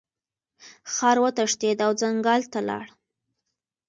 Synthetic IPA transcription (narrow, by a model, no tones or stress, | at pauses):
xɑɾwət̪aʂt̪ed̪awd͡zaŋɡɑlt̪alɑ̰ɽ